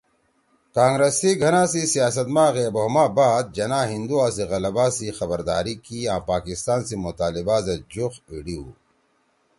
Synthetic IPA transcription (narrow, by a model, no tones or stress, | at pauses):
kaːŋɡɾesiɡʱɐnãːsisijaːs̬ɐt̪mãːɣeːboɦmaːbaːd̪̚d͡ʑɐnãːɦĩnd̪uaːsiɣɐlɐbaːsixɐbəɾd̪a̰ːɾikiãːpaːkist̪aːnsimot̪aːlibaːzɐd͡ʑuxiɽiu